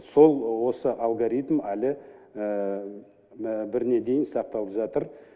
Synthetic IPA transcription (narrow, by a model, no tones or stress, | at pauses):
so̞lˠwo̞səʔɑlˠɡoɾit̪mælɪ | bɪɾne̞d̪e̞jɪnsɑq̚t̪ɑlˠəpʒɑt̪əɾ